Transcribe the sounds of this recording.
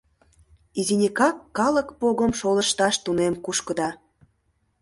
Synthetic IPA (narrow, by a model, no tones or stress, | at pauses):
izinʲikɑkːɑləkpoɣəmʃolə̆ʃt̪ɑʃt̪unemkuʃkə̆d̪ɑ